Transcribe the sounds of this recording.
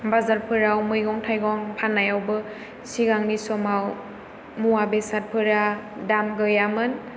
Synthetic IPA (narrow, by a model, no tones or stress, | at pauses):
bazaɾpʰɯɾawmujɡɔŋtʰajɡɔŋpʰanːajawbɯ | siɡaŋnisɔmaw | muabesat̚pʰɯɾadamɡɯjamɯn